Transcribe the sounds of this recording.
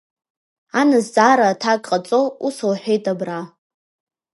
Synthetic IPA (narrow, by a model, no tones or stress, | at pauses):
anɨzd͡zʼaɾatʰakʼqʼat͡sʼousowħʷᶣejtʼabra